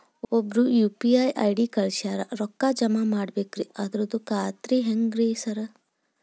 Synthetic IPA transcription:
obɾujupiaːjʔa̰jɖikɐɾʃaɾaɾɔkːad͡ʒɐmamaɽbekɾiʔat̪ɾud̪ukaːt̪ɾiɦɛŋɡɾiːsɐɾə

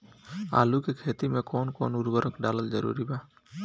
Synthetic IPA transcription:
a̰ːlukekʰeːt̪imẽkoːnko̰ːnʊɾbəɾəkɖaːləld͡ʒəɾṵːɾibaː

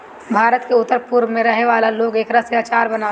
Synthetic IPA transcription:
bʱaːɾət̪keʊt̪ːəɾpʊɾmẽɾɐɦeʋaːlaloːɡeːkɾɐsjaːt͡ʃaːɾbɐnaː

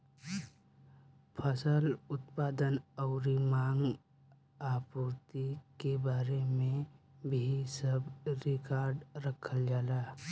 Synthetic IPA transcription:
pʰəsəlʊt̪̚paːd̪ənɔʊɾimãːŋɡ | aːpuːɾt̪ikebaːɾemẽbʱisəbɾɪkaːɾɖɾəkʰəld͡ʒaːlaː

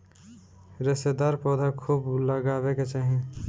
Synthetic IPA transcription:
ɾɪsed̪aːɾpɔːd̪ʱakʰuːbləɡaːbeket͡ʃaːɦĩ

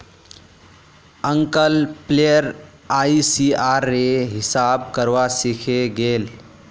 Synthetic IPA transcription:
əŋkəlpleəɾ | aisiaɾːeɦɪsab̚kəɾʋasikʰeɡeːl

